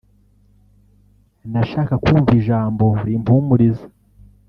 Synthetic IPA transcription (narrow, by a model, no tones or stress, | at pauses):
naʃaːkakuːɱviʒaːmbo̞ɾimpuːmuɾizḁ